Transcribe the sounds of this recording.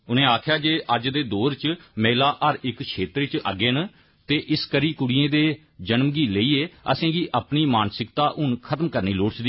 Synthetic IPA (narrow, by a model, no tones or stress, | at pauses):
ʊnẽːaːkʰjaːd͡ʒeːʔəd͡ʒd̪eːd̪oːɾt͡ʃmɛːlaːʔəɾɪkʃʰeːt̪ɾt͡ʃə̰ɡeːn | t̪eːʔɪskəɾiːkʊɽijẽːd̪eː | d͡ʒənmɡiːləiːeːəsẽːɡiːʔaːpniːmaːnsɪkt̪aːʔʊnkʰət̪mkəɾniːloːɽt͡ʃd̪iː